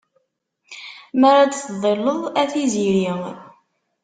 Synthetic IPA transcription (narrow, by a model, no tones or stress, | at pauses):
mæɾad̪θðˤelːəðˤæθiziɾiŋ